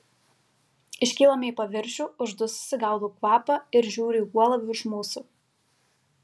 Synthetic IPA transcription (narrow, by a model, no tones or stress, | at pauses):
ɪʃʲkʲiːlˠɐmʲeipɐʋʲɪɾʲʃʲuːʊʒd̪ʊssʲɪɡɑʊd̪ukʋɑːpɐɪɾʒʲuːɾʲʊiːuɔlˠɐʋʲʊɪʃmuːsʊ